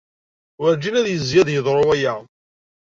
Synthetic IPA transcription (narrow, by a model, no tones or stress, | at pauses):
wəɾd͡ʒinæðjəzjæðjəðˤɾˤoæjæ